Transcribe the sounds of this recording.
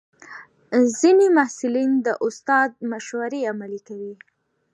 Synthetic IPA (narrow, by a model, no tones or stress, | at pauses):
zinemahsɪlind̪əʔʊst̪ɑd̪̚maʃwaɾeamalikawi